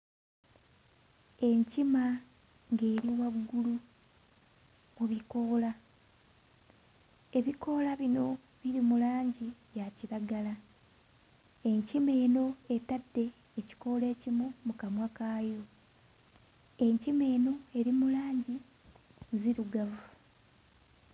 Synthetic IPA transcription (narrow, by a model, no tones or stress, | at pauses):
e̞ɲcima | ŋɡe̞ːɾiwaβuɡulu | muβiko̞ːla | e̞βiko̞ːlaβino̞ | βiɾimulaːɲɟiβjaciɾaɡala | e̞ɲcime̞ːno̞etadːe̞ː | ci̥ko̞le̞ːcimumukamwakaːjo | e̞ɲcime̞ːno̞e̞ɾimulaːɲɟi | ziɾuɡavu